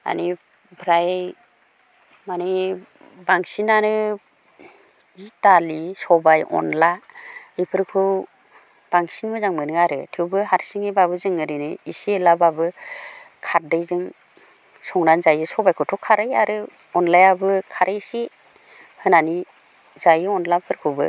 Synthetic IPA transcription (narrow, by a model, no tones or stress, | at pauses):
a̰ni | bʰɾaj | mani | baŋsinaɾɯ | italisɔbajɔ̰nlaɯjpʰɯɾkʰɯ | b̥aŋsinmɯzaŋmɯnɯaɾɯtʰɯwbɯɦaɾsiŋejbabɯzɯŋɯɾɯnɯisielababɯ | kʰat̚dɯjzɯŋ | sɔŋɾanzajɯsɔbajkʰɯtʰɔkʰaɾɯjaɾɯ | ɔnlajabɯkʰaɾʔɯjsi | hɯnani | zajɯɔnlapʰɯɾkʰɯwbɯ̰